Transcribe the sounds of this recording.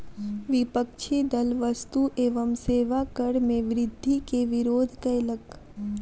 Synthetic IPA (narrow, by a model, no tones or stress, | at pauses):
ʋɪpəkt͡ʃʰid̪əlʋəst̪uʔeːʋəmseːʋakəɽmẽʋɾɪd̪ʱːikeʋɪɾoːd̪ʱkələk